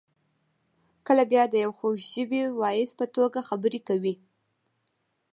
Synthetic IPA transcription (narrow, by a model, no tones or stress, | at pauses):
kəlabjɑd̪əjawxoʃʒəbiwɑjɪspət̪oɡaxabəɾekawi